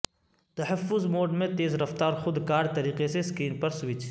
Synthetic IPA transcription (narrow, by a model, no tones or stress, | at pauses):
t̪ɐɦəfːʊzmoːɖmẽt̪eːzɾɐft̪aːɾxʊd̪kaːɾt̪ɐɾiːqeseskɾiːmpɐɾswɪt͡ʃ